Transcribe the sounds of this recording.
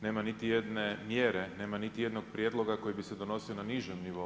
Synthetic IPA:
ne̞ːmanit̪ijed̪nemjeːɾene̞ːmanit̪ije̞d̪noɡ̚pɾjed̪lˠo̞ɡako̞jibised̪ono̞sionaniʒemniʋo̞

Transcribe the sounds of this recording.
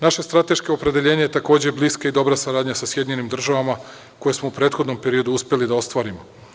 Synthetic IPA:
naʃe̞st̪ɾat̪e̞ʃkeopɾe̞d̪eʎe̞ːɲejet̪ako̞ːd͡ʑebliːskaid̪o̞bɾasaɾaːd̪ɲasasje̞d̪iɲe̞nimd̪r̩ʒaʋama | ko̞je̞smoupɾet̪xod̪no̞mpe̞ɾio̞d̪uuspʲje̞lid̪ao̞st̪ʋaːɾimo̞

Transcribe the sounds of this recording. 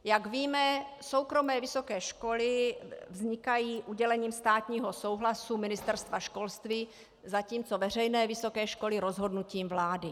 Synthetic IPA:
jaɡviːmɛ | so̞wkɾo̞mɛːvɪso̞kɛːʃko̞lɪvzɲɪkajiːʔuɟɛlɛɲiːmst̪aːt̪ɲiːɦo̞so̞wɦlasumɪnɪst̪ɛɾst̪vaʃko̞lst̪viː | zaciːmt͡so̞vɛr̝ɛjnɛːvɪso̞kɛːʃko̞lɪɾo̞zɦo̞dnuciːmvlaːdɪ

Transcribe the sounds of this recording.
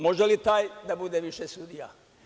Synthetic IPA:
mo̞ʒelit̪aːjd̪abud̪e̞ʋiʃesud̪ija̰

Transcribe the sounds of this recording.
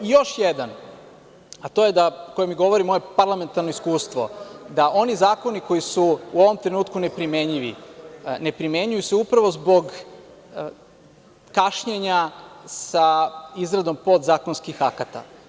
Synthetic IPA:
jo̞ʃjed̪an | at̪o̞ːje̞d̪aoko̞jemiɡo̞ʋo̞ɾimo̞je̞paɾlˠame̞nt̪aɾnoiskuːst̪ʋo̞̰d̪aʔo̞nizaːko̞niko̞jisuuoʋo̞mt̪ɾe̞nuːt̪kune̞pɾimeɲiʋine̞pɾime̞ɲujuseupɾaʋo̞zbo̞ɡ | kaʃɲeɲasaizɾad̪o̞mpo̞d̪zaːko̞nskixakat̪a̰

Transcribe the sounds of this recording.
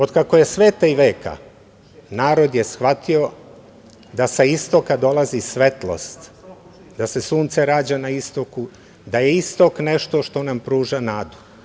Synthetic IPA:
o̞d̪kako̞je̞sʋeːt̪aiʋe̞ːka̰ | naːɾo̞d̪jesxʋat̪io̞ | d̪asaist̪o̞kad̪o̞lazisʋe̞t̪lˠo̞̰st̪ | d̪ase̞suːnt̪seɾaːd͡ʑanaist̪o̞ku | d̪ajeist̪o̞kneʃt̪o̞ʃt̪o̞nampɾuːʒanaːd̪u̥

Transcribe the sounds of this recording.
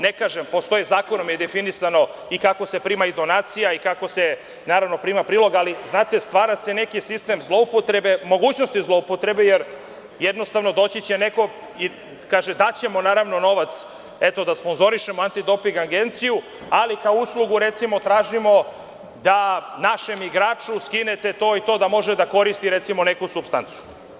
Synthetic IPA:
nekaːʒempo̞st̪o̞jizaːko̞nomjed̪efinisano̞ikakose̞pɾiːmaid̪o̞naːt̪sijaikako̞se | naːɾaʋno̞pɾiːmapɾiːlˠo̞ɡaliznaːt̪e̞st̪ʋaːɾase̞ne̞kisist̪e̞mzlˠoupot̪ɾebe̞mo̞ɡuːt͡ɕno̞st̪izlˠo̞upot̪ɾe̞bejeɾ | jed̪no̞st̪aʋno̞d̪o̞t͡ɕet͡ɕene̞ko̞ | i | kaːʒed̪at͡ɕe̞mo̞naːɾaʋno̞no̞ʋat̪s | e̞t̪o̞d̪aspo̞nzo̞ɾiʃemoant̪id̪o̞piŋɡaɡe̞nt̪siju | alikaouslˠuɡuɾe̞t̪simo̞t̪ɾaːʒimo̞ | d̪anaʃe̞miɡɾaːt͡ʂuskinet̪e̞t̪o̞ːit̪o̞ːd̪amo̞ʒed̪ako̞ɾist̪iɾet̪simo̞ne̞kusupst̪ant̪su̥

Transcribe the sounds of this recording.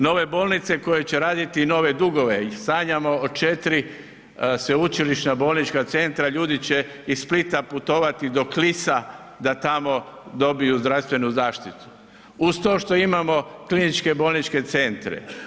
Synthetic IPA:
no̞ʋe̞bo̞ːlˠnit̪se̞ko̞je̞t͡ɕeɾaːd̪it̪ino̞ʋe̞d̪uɡo̞ʋe̞saːɲamo̞ːt͡ʃe̞t̪ɾi | seut͡ʃiliʃnabo̞ːlnit͡ʃkat̪se̞nt̪ɾaʎuːd̪it͡ɕe | issplit̪aput̪o̞ːʋat̪id̪o̞klisa | d̪at̪amo̞d̪o̞bijuzd̪ɾawst̪ʋe̞nuzaːʃt̪it̪u̥ | ust̪o̞ʃt̪o̞imamo̞klinit͡ʃke̞bolnit͡ʃke̞t̪se̞nt̪ɾḛ

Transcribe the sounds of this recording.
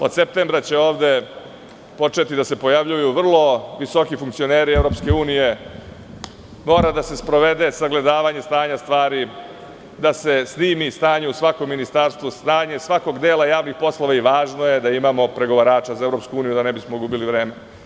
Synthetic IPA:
o̞d̪sep̚t̪embɾat͡ɕe̞o̞ːʋd̪e̞ | po̞t͡ʂe̞t̪id̪ase̞po̞jaʋʎujuʋr̩lˠo̞ʋiso̞kifuŋkt̪sio̞neːɾievɾo̞pske̞uːnije̞ | mo̞ːɾad̪ase̞spɾo̞ʋe̞d̪e̞saɡle̞d̪aːʋaɲe̞st̪aːɲast̪ʋaːɾi | d̪ase̞sniːmist̪aːɲeusʋako̞mːinist̪aɾst̪ʋust̪aːɲe̞sʋako̞ɡd̪e̞ːlˠajaːʋnixpo̞slˠo̞ʋaiʋaːʒnoje̞d̪aimamo̞pɾe̞ɡo̞ʋaɾaːt͡ʃazae̞vɾo̞pskuuːnijud̪anebismoɡubiliʋɾe̞ːme

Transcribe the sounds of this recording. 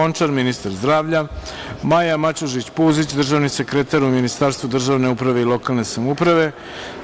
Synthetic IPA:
ont͡ʂaɾminist̪aɾzd̪ɾaːʋʎa | majamat͡ʃuʒit͡ɕpuzit͡ɕd̪r̩ʒaːʋnise̞kɾet̪aɾuminist̪aːɾst̪vud̪r̩ʒaʋne̞upɾaʋe̞ilˠo̞kaːlˠne̞samupɾaʋe̞

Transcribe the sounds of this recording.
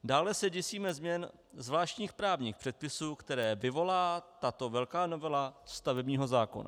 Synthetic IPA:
daːlɛsɛɟɛsiːmɛzmɲɛn | zvlaːʃcɲiːxpɾaːvɲiːxpr̝̥ɛt̪̚pɪsuːkt̪ɛɾɛːvɪvo̞laːt̪at̪o̞vɛlkaːno̞vɛlast̪avɛbɲiːɦo̞zaːko̞̰na̰

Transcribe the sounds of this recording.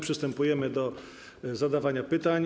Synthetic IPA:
pʂɘst̪ɛmpujɛmɘd̪ɔ | zad̪avaɲapɘt̪aɲ

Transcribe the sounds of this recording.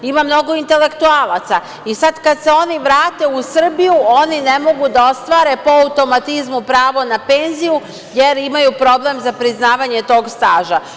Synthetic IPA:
imamno̞ɡo̞int̪e̞le̞kt̪ualˠat̪sa | isad̪kad̪se̞o̞niʋɾaːt̪e̞usr̩bijuo̞nine̞mo̞ɡud̪ao̞st̪ʋaːɾe̞poaut̪o̞mat̪izmupɾaːʋo̞nape̞nziju | je̞ɾimajupɾo̞ble̞mzapɾiznaːʋaɲe̞t̪o̞ːɡst̪aːʒa

